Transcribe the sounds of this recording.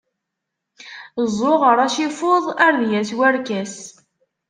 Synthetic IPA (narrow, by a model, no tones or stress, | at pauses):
zˤːʊʁəɾˤaʃifoðˤæɾðjæswæɾkæs